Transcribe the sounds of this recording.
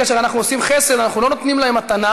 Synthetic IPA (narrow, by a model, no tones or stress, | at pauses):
aʃeʁanaχnuosimχe̞se̞d̪anaχnulo̞not̪nimlaemat̪ana